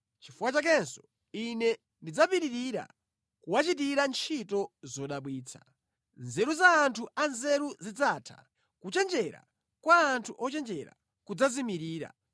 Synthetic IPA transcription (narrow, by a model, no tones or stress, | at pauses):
t͡ʃifuwat͡ʃak̬ɛnsɔ̥ | inɛ | ndid͡zapiɾiɾiɾa̰ | kuwat͡ʃit̬iɾant͡ʃʰitɔzɔɗaɓwiːt͡sʰḁ | nzɛɾuzaːntʰuanzɛɾuzid͡zaːtʰḁ̰ | kut͡ʃɛnd͡ʒɛɾa̰ | kwaːntʰuʔɔt͡ʃɛnd͡ʒɛɾa̰ | kud͡zazimiɾiːɾa̰